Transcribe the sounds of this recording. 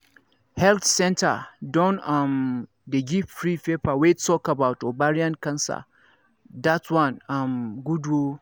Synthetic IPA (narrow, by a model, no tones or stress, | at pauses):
hɛlt̪sɛ̃ntʰɐ̰dɔ̃nam | deɡipfɹipepawettɔkabawtɔbaɾiãnkãnsa̰ | datwãnamɡudwu